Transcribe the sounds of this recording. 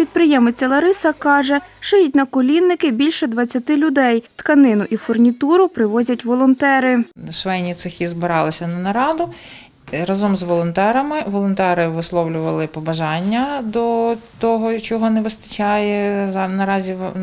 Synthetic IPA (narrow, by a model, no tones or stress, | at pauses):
pʲid̪̚pɾɪjɛmet͡sʲːɐlˠɐɾɪsɐkɑʒɛʃɪjʊt̚ʲnɐkɔlʲinːɪkɪbʲilʲʃɛd̪ʋɐt͡sʲːɐt̪ɪlʲʊd̪ɛjt̪kɐnɪnʊʔifɔrnʲit̪uɾʊpɾɪʋɔzʲɐtʲʋɔlˠɔnt̪ɛɾɪʃʋɛjnʲit̪sɪxʲizbɪɾɑlˠɪsʲɐnɐnɐɾɑd̪ʊ | ɾɐzɔmzʋɔlˠɔnt̪ɛɾɐmɪʋɔlˠɔnt̪ɛɾɪʋɪslˠɔwlʲʊʋɐlˠɪpɔbɐʒɑnʲːɐd̪ɔt̪ɔɦɔt͡ʃɔɦɔnɛʋɪst̪ɐ̥t͡ʃɑjɛznɐɾɑzʲi